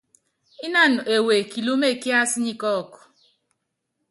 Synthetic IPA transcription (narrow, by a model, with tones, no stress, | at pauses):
i˦na˦˨n˨e˨we˨ki˨lu˦me˦˨ki˦a˦si˦ɲi˦kɔ˦˨kʊ̥˨